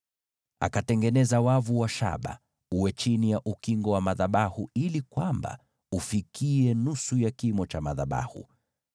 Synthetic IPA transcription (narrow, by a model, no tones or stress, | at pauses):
a̰katɛŋɡɛnɛzawavuwaʃa̰ɓa̰ | uwɛt͡ʃinijaʔukiŋɡɔwamaðaɓahuilikwamba̰ | ufikʰiɛnusujakimɔt͡ʃamaðaɓa̰hṵ